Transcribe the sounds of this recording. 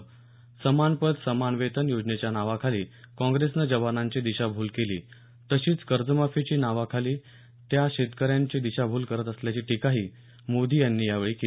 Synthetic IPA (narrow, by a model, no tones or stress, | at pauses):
səmanpət̪səmanʋet̪ənjod͡ʑnet͡ɕjanaʋakʰaliːkɔ̃ŋɡɾesnəd͡ʑəʋanaɲt͡ɕiːd̪iɕabʱuːlkelḭː | t̪əɕiːt͡skəɾd͡zəmafit͡ɕiːnaʋakʰaliː | t̪jaɕed̪kəɾjaɲt͡ɕiːd̪iɕabʱuːlkəɾət̪əsljat͡ɕiːʈikaɦiː | mod̪ʱiːjanːiːjaʋeɭiːke